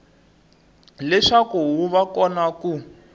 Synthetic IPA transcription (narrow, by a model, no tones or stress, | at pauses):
lɛʂakuɦuβakɔnaku